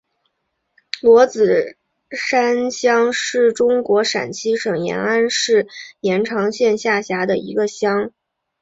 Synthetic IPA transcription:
lwɔ˧˥t͡sɹ̩˨˩ | ʂa˥nɕjɑ˥ŋʂɻ̩˥˩ʈ͡ʂʊ˥ŋkwɔ˧˥ʂa̰˨˩nt͡ɕʰi˥ʂɤ˨˩ŋjɛ̰˧˥na˥nʂɻ̩˥˩jɛ˧˥nʈ͡ʂʰɑ˧˥ŋɕjɛ˥˧nɕja˥˩ɕja˧˥d̪ə˧ḭ˧˥ɡə˧ɕjɑ˥ŋ

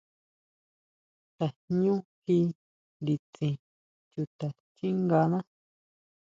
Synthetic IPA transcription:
t̪a˨ɲũ˦hi˧ | ɾi˧t͡sĩ˨ | t͡ʃu˧t̪a˨ | t͡ʃi˦ŋɡa˧nã˦

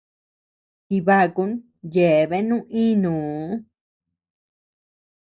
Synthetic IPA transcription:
ki˧βa˦˨ku˧˦n | je˨βe˦nũ˦ʔĩ˦nũː˨˦

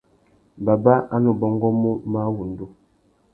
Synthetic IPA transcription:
ba˨ba˦a˦nu˨bɔ˦ŋɡɔ˦mu˦ma˦wu˨n˨du˦

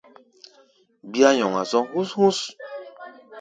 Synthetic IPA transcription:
bi˦a˦ɲɔ˨ŋa̰˨sɔ˦ɦu˦shu˦s

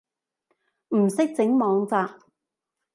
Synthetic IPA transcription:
m̩˨˩sɪ˥k̚t͡sɪ˨˥ŋmɔː˨˧ŋt͡saː˧p̚

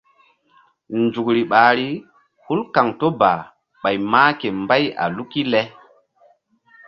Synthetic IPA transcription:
nd͡ʒu˨kɾi˨ɓaː˨ɾi˦ | hu˦lka˨ŋto˦ba˨ | ɓa˨jmaː˦ke˨mba˦ja̰˨lu˦ki˦lɛ˦

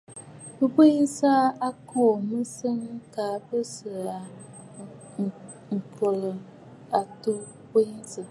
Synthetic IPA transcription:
bɨ˦be˦nsa˦a˦kɔ˦˨mɨ˦sə˦ŋ˦ka˨˦bɨ˦sɨ˨a˨ | ŋ̩˨kə˨lə˨ | a˨to˦ | be˦nsɨ˨

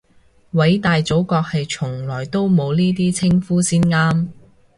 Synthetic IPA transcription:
wɐ˨˥jt̪aː˨jt͡so˨˥wkɔː˧k̚hɐ˨jt͡sʰʊ˨˩ŋlɔː˨˩jt̪o˥wmo˨˧wniː˥t̪iː˥t͡sʰɪ˥ŋfuː˥siː˥nŋaː˥m

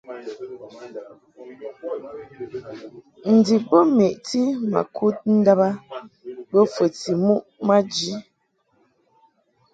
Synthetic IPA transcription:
n̩˨di˨bə˦me˨ʔti˦ma̰˨kʰu˦t̚n̩˦da˦ba˦ | bə˦fə˨ti˨mu˦ʔma˦d͡ʒi˦

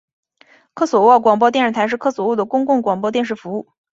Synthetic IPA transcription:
kʰɤ˥swɔ˨˩wɔ˥˩kwɑ˨˩ŋp̬ɔ˥t̪jɛ˥˧nʂɻ̩˥˩t̪ʰɪʂɻ̩˥˧kʰɤ˥swɔ˨˩wɔ˥˩d̪ə˩kʊ˥ŋkʊ˥˩ŋkwɑ˨˩ŋp̬wɔ˥t̪̬jɛ˥˧nʂ̬ɻ̩˥˩fu˧˥u˥˩

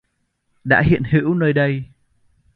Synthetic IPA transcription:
ɗa̰ː˧˥ɦḭ˧˨ənhḭ˧˥əwnəː˧jɗə˧j

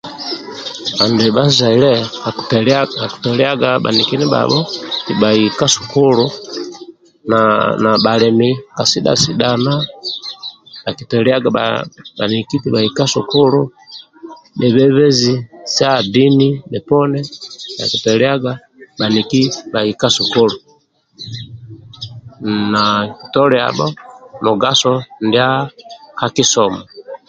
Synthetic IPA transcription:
ba˨ndɛ˨ba˦za˨ilɛaa˨ku̥tɔlɛ˦a˦ɡaɓa̰˨niki˦ni˦ba̰bɔ˦ti˨ba˨ika˦su̥˨ku˦lu | nana˨ɓa˨lɛ˨mika˨si˦ɗa̰˨si˦ɗana˦ | a˨ki˨tɛlia˦ɡaba˨niki˦ti˨ba˨ika˦su˨ku˦lu˦ | mɛ˨βɛ˦βɛ˦zi˨sa˦di˦ni˦mɛ˨pɔ˦nɛ˦na̰˨ki˨tɛlɛ˦a˦ɡa˦ | ɓa˨ni˨ki˦ba˨i˨ka˦su˨ku˦lu˨ | naki˨tɔ˦lɛ˨a̰˨bɔ˦mɔ˨ɡa˦sɔ˦ndia˦ka˦ki˦sɔ˨mɔ

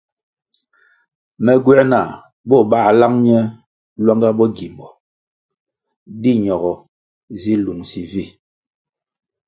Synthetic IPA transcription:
mɛ˨ɡwɛ˦na˨ | bɔ˦˨ɓa˦˨la˦ŋɲɛ˦ | lwa˦ŋɡa˦bɔ˦ɡi˨mbɔ˨ | di˦ɲɔ˨ɣɔ˨ | zi˦lu˨ŋsi˨vi˦˨

